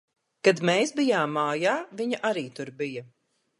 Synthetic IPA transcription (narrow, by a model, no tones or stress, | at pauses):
kad̪meːsbijaːmːaːjaːviɲɐʔaɾiːt̪uɾbijɐ